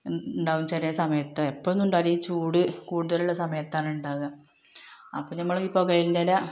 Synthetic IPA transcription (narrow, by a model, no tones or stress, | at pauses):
uɳɖaːʋumt͡ɕɐɾesɐmɐjɐt̪ːɨepːoɭnːuɳɖɐɾit͡ɕːuːɽɨkuːɽuðɐluɭːɐsɐmɐjɐt̪ːaːnuɳɖaːʋɣɐm | ɐpːoɭnɐmːɐɭipːoːkɐjindelɐ